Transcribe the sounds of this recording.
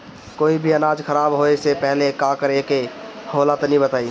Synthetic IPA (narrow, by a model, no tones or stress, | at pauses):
koːibʱiənaːd͡ʒkʰəɾaːbɦoesepɛɦlekakəɾekeholat̪ɔnĩbət̪aːi